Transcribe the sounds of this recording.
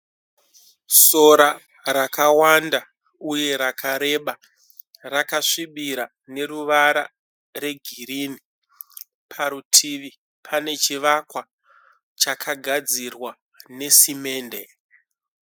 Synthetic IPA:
so̞ɾa | ɾakawanda | uje̞ɾakʰaɾe̞ɓa | rakaʂiɓiɾa | ne̞ɾuʋaɾa | re̞ɡʱiɾini | pʰaɾutʰiʋi | pʰane̞t͡ʃiʋakwa | t͡ʃakʰaɡʱad͡zirwa | ne̞sime̞ːnde̞

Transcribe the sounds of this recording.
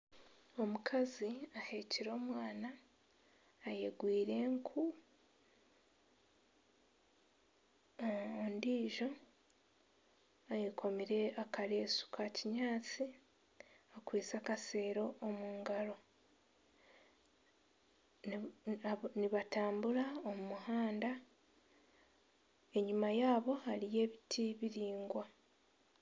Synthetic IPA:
o̞mukʰaziaheːciɾo̞ːmwaːna | jeɡwiːɾe̞ŋkʰu | ndiːʒo̞ | ajekʰo̞miɾe̞akaɾe̞ːsu̥kaciɲaːt͡si | akwiːt͡sakase̞ːɾo̞ʔːmuːŋɡalo̞ | niβataːmbulaomumuhaːnda | e̞ɲumajaːβo̞halije̞ːβitʰiβiɾiːŋɡwa

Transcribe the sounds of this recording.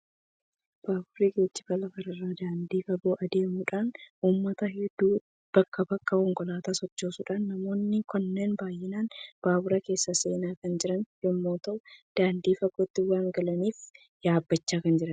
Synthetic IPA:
b̥aːbʊɾiɡeːt͡ʃːɪbɐlɐfɐɾɐrːaːd̪aːnd̪iːfɐɡoːʔɐd̪e̞ːmuːᶑaːnuːmːɐt̪ɐɦɪd̪ːuː | b̥ɐkːɐbɐkːɐkɔŋkʼɔlaːt̪aːsɔt͡ʃːoːsuːᶑaːnːɐmo̞ːnːɪkɔnːe̞ːnbaːjːɪnaːnb̥aːbʊɾɐke̞ːsːɐse̞ːnaːkɐnd͡ʒɪɾɐnjɔmːoːt̪ɐʔʊd̪̥aːnd̪iːfɐɡoːt̪ːɪwaːŋɡɐlɐniːf | jaːbːɐt͡ʃːaːkɐnd͡ʒɪɾɐn

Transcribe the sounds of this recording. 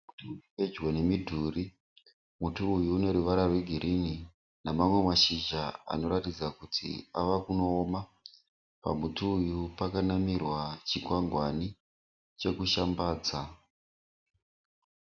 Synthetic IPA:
utuuuped͡ʒwene̞midʱuri | mutuːjuːne̞ɾuʋaɾarwe̞ɡʱiɾʔini | namamwe̞maʃiʒaa̰no̞ɾatid͡zakutʰḭa̰ʋakuno̞ːma | pa̰mutuːjupakanamirwat͡ʃikwaŋɡwani | t͡ʃe̞kuʃambaːd͡za

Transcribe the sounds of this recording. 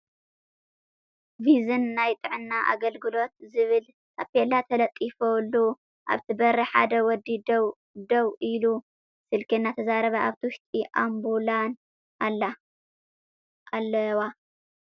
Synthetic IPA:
vizɨnːajt̪ʼɨʕɨnːaʔa̰ɡɐlɡɨlo̞t̪̚zɨβɨl | ʔapelat̪ʰɐlɐt̪ʼifolːu | ʔa̰βt̪ʰibɐɾɐħa̰d̪ɐwɔd̪id̪w | d̪owʔilu | sɨlkʰinːat̪ʰɐzaɾɐβaʔaβt̪ʰiwʃt̪ʼiʔambulan | alːa | ʔalːɐwa

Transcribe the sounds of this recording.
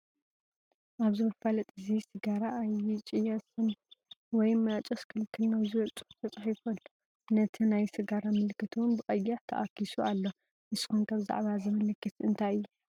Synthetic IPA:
ʔaβzɨmɨffalɐt̪ʼɨzisɨɡaɾaːjɪt͡ʃʼijɐsɨnwɔjmɐt͡ʃʼɐskʰɨlkʰɨlnawziwɐt͡sʼɨ̥xu̥t̪ʰɐt͡sʼħifɐlːu̥ | nɐt̪ʰinajsɨɡaɾamɨlkʰːɨt̪ʰuwʊnbɨxʼɐjːɐʕt̪ʰɐ̰ʔakisualːo | ʔɨsɨ̥xunkʰaβza̰ʕβazɨmɨlɨkːɨsɨnt̪ʰajɨjːu

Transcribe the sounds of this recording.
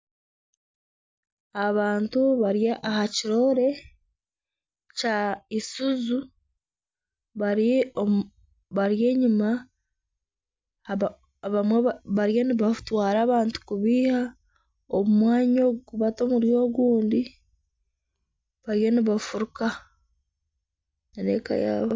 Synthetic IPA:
aβaːntuβaɾjaʔahaciɾo̞ɾe̞ | caisuzu | βaɾ | βaɾje̞ːɲuma | βamweβaβaɾjaniβatwaːɾaːβaːntu̥kuβiːha | omumwaːɲoːɡukuβatoːmuɾjo̞ːɡuːndi | βaɾjoniβafuɾuka | nanḛka̰ja̰β

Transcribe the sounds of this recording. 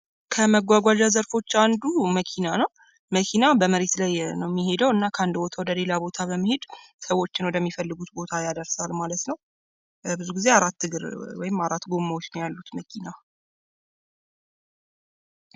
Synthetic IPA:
kʰəməɡʷaɡʷad͡ʒazəɾfo̞t͡ʃːand̪uməkʰinanəw | məkʰinabəməɾe̞t̪lajnəwmːihe̞d̪əwɨnːakʰəand̪bo̞t̪ʰawɔd̪əle̞labo̞t̪ʰaβəmːəhe̞d̪ | səwo̞t͡ʃːɪnwɔd̪əmːifəlːɨɡut̪bo̞t̪ʰajad̪əɾsalmalət̪nəw | bɨzuɡize̞aɾat̪ːɨɡɨɾwɔjɪmːaɾat̪ːɡo̞mːawo̞t͡ʃːnəwjalːut̪məkʰina

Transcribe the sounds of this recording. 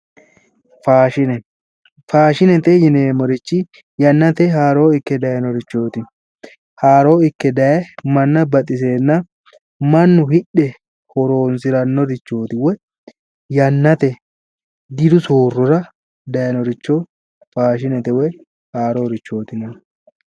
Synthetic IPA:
faːʃɪnɛ | faːʃɪnɛt̪ɛjɪneːmɔɾɪt͡ʃːɪ | jɐnːɐt̪ɛɦaːɾo̞ːɪkːɛd̪ɐjɐnɔɾɪt͡ʃːo̞ːt̪ɪ | haːɾo̞ːɪkːɛd̪ɐjɛmɐnːɐbɐt̪ʼɪs̬e̞ːnːɐ | mɐnːʊhɪɗɛ | hɔɾo̞ːnsɪɾɐnːɔɾɪt͡ʃːo̞ːt̪ɪwɛ | jɐnːɐt̪ɛ | d̪ɪd̪ʊsoːrːɔɾɐ | d̪ɐjɐnɔɾɪt͡ʃːo | faːʃ̬ɪnɛt̪ɛwɛ | haːɾoːɾɪt͡ʃːo̞ːt̪ɪnɐ

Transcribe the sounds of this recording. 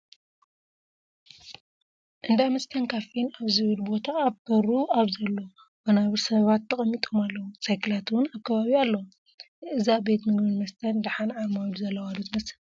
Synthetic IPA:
ʔɨnd̪amɐst̪ʰɐnkʰafinaβzɨβɨlbo̞t̪ʰaːβkʰɐɾuaβzɐlːo | wɐnaβɨɾsɐβat̪ːɐkʼɐmːit̪ʼo̞malːɐwut͡sʼajkɨlat̪wʊnaβkʰɐβaβialːɐwu | ʔɨzabe̞t̪mɨɡbɨnmɐst̪ʰɐnd̪aħanaɾmawd̪uzɐlːɐwad̪ot̪mɐsɨ

